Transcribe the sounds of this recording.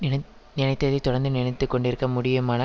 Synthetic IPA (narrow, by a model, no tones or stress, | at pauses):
nɪnɐɪt̪ːɐðɐt̪ʊɽɐnd̪ɯnɪnɐɪt̪ːɯkːɔɳɖɪɾɯkːɐmʊɽɪjɐmaːnɐ